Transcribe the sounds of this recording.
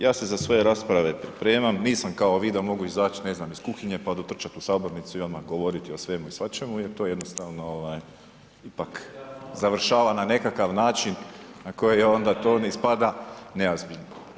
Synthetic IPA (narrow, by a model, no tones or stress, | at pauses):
jaːse̞zasʋo̞je̞ɾaːspɾaʋe̞pɾipɾeːmamniːsamkaoʋiːd̪amo̞ɡuizaːt͡ʃine̞znamiskuxiɲe̞pad̪ot̪r̩t͡ʃat̪usaːbo̞ɾnit̪suiamaɡoʋoɾit̪iosʋe̞muisʋat͡ʃe̞mujeɾt̪o̞ːjed̪nost̪aːʋnooʋaːj | ipakzaʋr̩ʃaːʋanane̞kakaʋnaːt͡ʃinnako̞jejo̞nd̪at̪o̞ːneispad̪aneazbiʎno